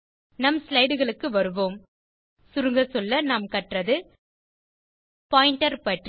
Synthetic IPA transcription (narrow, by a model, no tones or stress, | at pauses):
nɐmslɐɪɽɯɣɐɭɯkːɯʋɐɾɯʋoːm | sʊɾɯŋɡɐsɔlːɐnɐmkɐʈrɐðɯ | paːjɪɳʈɐɾpɐʈr